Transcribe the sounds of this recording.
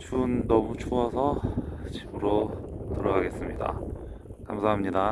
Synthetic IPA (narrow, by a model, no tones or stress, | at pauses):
t͡ɕʰunːʌmut͡ɕʰuʌsʰʌt͡ɕibɯɾotɯɾʌɡaɡe̞s͈ɯmɲida̰ | kamsʰaɦamɲida